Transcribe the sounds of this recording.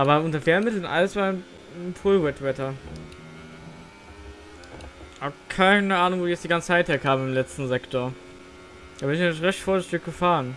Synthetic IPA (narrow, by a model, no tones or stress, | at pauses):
ʔaːbɐʊntɐfeːɐmɪtl̩nʔa̰ləsv̥aːn | pʰʊːlwɛtv̥ɛtɐ | hakʰaɪnəaːnʊŋvoːdiːjɛt͡sd̥iɡant͡sə̥t͡saɪtheːɐkʰaːbm̩ɪmlɛt͡stn̩zɛktʰoːɐ | d̥aːbɪnɪçnçʁɛçtfoːɐzɪçtɪçɡ̥əfaːʁən